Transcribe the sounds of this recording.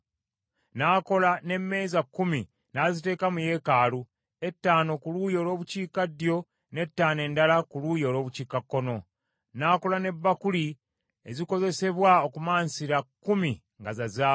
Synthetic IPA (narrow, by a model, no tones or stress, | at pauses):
naːko̞lane̞mːe̞ːzakːumi | nazite̞ːkamuje̞ːkaːlu | e̞tːaːno̞kuluːjo̞lo̞ːβuciːkadjo̞ | ne̞tːaːne̞ːndalakulujo̞lo̞ːβuciːkakːo̞no̞ | naːko̞lane̞bːakuli | eziko̞ze̞se̞βwao̞kumaːnsiɾakːumi | ŋɡazazaː